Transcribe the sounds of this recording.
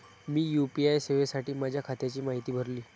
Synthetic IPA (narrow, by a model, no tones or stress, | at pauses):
miːjupiajseʋesaʈiːmad͡ʑʱjakʰat̪jat͡ɕiːmaɦit̪iːbʱəɾliː